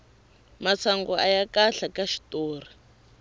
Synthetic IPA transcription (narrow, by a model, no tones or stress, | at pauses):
mat͡sʰaŋɡɔajakaɬakaʃi̥toːr̤i